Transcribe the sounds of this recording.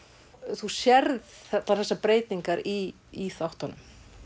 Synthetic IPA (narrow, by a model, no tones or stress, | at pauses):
θusjɛɾðθɛt̪laθɛsːapɾeːjt̪niŋkaɾiː | θawht̪hɔnːʏm